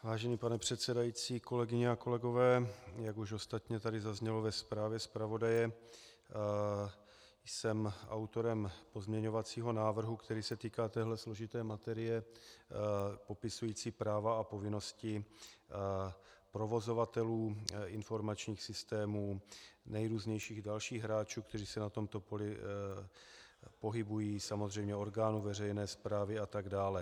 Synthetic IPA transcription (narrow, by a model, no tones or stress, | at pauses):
vaːʒɛniːpanɛpr̝̥ɛt̪sɛdajiːt͡siːko̞lɛɡɪɲɛako̞lɛɡo̞vɛːjaɡuʃo̞st̪at̪ɲɛt̪adɪzazɲɛlo̞vɛspɾaːvjɛspɾavo̞dajɛ | jsɛma̰wt̪o̞ɾɛmpo̞zmɲɛɲo̞vat͡siːɦo̞naːvr̩ɦukt̪ɛɾiːsɛt̪iːkaːt̪ɛːɦlɛslo̞ʒɪt̪ɛːmat̪ɛɾɪjɛ | po̞pɪsujiːt͡siːpɾaːvaːpo̞vɪno̞scɪ | pɾo̞vo̞zo̞vat̪ɛluːɪnfo̞ɾmat͡ʃɲiːxsɪst̪ɛːmuːnɛjɾuːzɲɛjʃiːɣdalʃiːɣɦɾaːt͡ʃuːkt̪ɛriːsɛnat̪o̞mt̪o̞polɪ | po̞ɦɪbujiːsamo̞zr̝ɛjmɲɛo̞ɾɡaːnuːvɛrɛjnɛːspɾaːvɪat̪aɡdaːlɛ